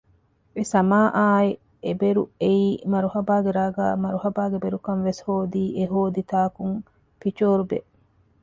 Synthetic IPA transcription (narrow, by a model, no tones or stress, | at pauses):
esɐmaːʔaːe | ebeɾueiːmɐɾuhɐbaːɡeɾaːɡa̰ːmɐɾuhɐbaːɡebeɾukɐnʋeshoːd̪iːʔeɦoːd̪it̪aːkuŋ | fit͡ʃoːɾubeʔ